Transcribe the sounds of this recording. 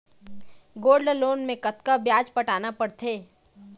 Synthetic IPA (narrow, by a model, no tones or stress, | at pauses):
ɡoːɾɖloːnmẽkɐt̪kabjaːd͡ʒpɐʈaːnapɐɽt̪ʰeː